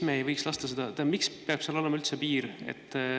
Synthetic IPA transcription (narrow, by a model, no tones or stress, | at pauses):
meejvɤjkslɑst̪ɑsed̪̥ɑt̪emikspeɑb̥seɑlo̞le̞mɑylt̪se̞piːɾḛt̪ːˑ